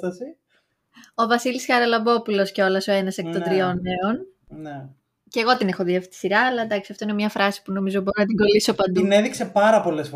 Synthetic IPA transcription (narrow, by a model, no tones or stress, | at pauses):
ɐsi | o̞vɐsilisxɐɾɐlɐbo̞pulo̞sceo̞lɐso̞e̞nɐsekt̪od̪ɾio̞ne̞on | ne | ceɣo̞t̪ine̞xo̞ðiɐfit̪i̥siɾɐːlɐend̪ɐksiɐft̪oine̞mɲɐfɾɐsi̥puno̞mizobo̞ɾonɐt̪iŋɡo̞liso̞pɐnd̪uneðikse̞pɐɾɐpo̞le̞sf